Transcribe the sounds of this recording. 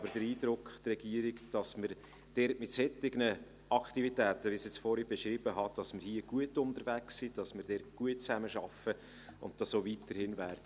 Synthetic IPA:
bəɾd̥əɾiːdɾʊkχtrɛɡ̥iəɾɪkd̥ɑsməɾ | d̥ɛɾtmɪtsɛtɪɡnə | ʔɑkχtivitæːtəʋisɛt͡sfɔɾib̥ɛʃɾib̥əɦɑd̥ɑsməɾhiəɡ̥uətʊndəɾvæksid̥ɑsmɪɾd̥ɛɾtɡ̥uətt͡sæməʃɑfə | ʔʊ̰ntd̥ɑsoːviːtəɾhɪnvæːɾdə

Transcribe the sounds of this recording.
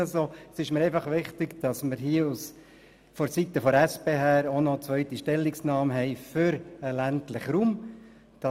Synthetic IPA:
sosɪʃməɾɛɪfɑχʋɪχt̪ɪkd̥ɑsməɾɦiəus | fɔɾsit̪ːəfɔɾæspeːɦæːɾonɔt͡sʋœʏtiʃtɛlːiksnɑːmɦɛɪfʏɾəlæntlɪχɾuːm | d̥ɑ

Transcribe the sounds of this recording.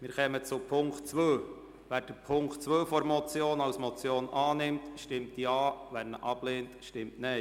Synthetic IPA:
mɪːɾχɛmət͡sʊpʰʊŋktt͡sʋøː | ʋæːɾd̥əpʰʊŋktt͡sʋøːfɔɾmɔt͡sjoːnɑwsmɔt͡sjoːnʔɑːnɪmtʃtɪmtjɑːʋɛnːəʔɑb̥leːntʃtɪmtnɛ

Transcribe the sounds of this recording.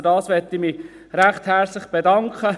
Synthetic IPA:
dɑːsʋɛtːɪmiː | ɾæχthɛɾt͡slɪχb̥edɑŋkχə

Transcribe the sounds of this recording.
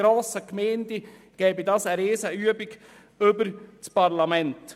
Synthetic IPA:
ɾoːsəkmɛːndi | ɡ̥ɛːbidɑːsəɾeːsəyːəbiɡ | ɵbəɾt͡spɑɾlamɛnt

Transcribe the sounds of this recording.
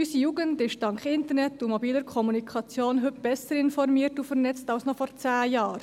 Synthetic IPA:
ysijuːɡəndɪʃd̥ɑŋkχɪntəɾnɛtːumɔbiːləɾkʰɔmunikʰɑt͡sjoːnɦʏtb̥ɛsəɾɪnfɔɾmiːəɾtufəɾnɛt͡stɑlsnɔfɔɾt͡sæːjɑːɾ

